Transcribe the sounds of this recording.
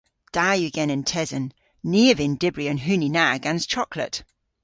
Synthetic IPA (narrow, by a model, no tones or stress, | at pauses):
d̥ajʉɡɛ̃nɪ̃ntʰɛzə̃nː | iəvɪ̃ndɪbɹiə̃nɦʉninaɡãnz̥t͡ʃʰɔkʰlˠə̰ʔ